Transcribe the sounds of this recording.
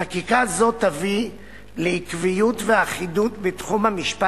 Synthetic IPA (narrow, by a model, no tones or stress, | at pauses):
akikazo̞t̪avi | leikvijutveaχidutbetχumhamiʃpa